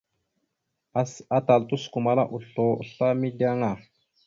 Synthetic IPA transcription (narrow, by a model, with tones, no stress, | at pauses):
a˦ta˨ltu˦sku˨ma˦la˦ʔu˨ɬo˨u˨ɬa˦mi˦da˦ŋa˨